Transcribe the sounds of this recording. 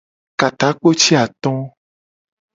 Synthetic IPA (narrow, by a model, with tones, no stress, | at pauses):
ka˨t̪a˨˦k͡po˦t͡ʃi˦a˨t̪ɔ̃˦